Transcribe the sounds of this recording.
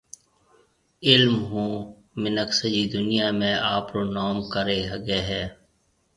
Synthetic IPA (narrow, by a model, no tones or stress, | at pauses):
ɪlmɦũː | mɪnəksəd͡ʒid̪ʊnijaːmẽaːpɾoːnɔːmkəɾeɦəɡeːɦɛː